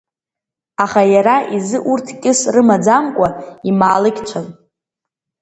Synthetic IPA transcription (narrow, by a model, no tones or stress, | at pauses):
aχajaɾaʔizɨʔurtʰkʲʼɪsrɨmad͡zamkʷʼaimaːlɨkʲt͡ʃʷʰan